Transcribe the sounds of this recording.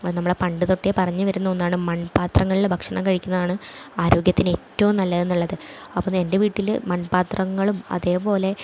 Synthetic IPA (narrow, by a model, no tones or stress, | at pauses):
nɐmːuɭepɐɳɖɨt̪o̞ʈːepɐrɐɲːɨʋɐɾunːɐonːaːɳɨmɐnpaːt̪rɐŋːɐɭilbʱɐkʂɐɳɐkɐɻikʲːunːɐðaːɳɨaːɾo̞ːɡjɐt̪ːinetːɐʋumnɐlːɐe̞nːuɭːɐðɨɐpːoːe̞nde̞ʋiːʈːilmɐnpaːt̪rɐŋːɐɭumɐ̰ðe̞ːpo̞ːle̞